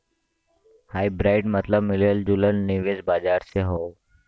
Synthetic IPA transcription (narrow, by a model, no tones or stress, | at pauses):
haːibɾaːɪʈmət̪ləbmileld͡ʒulənniʋezbaːd͡ʒaːɾseɦo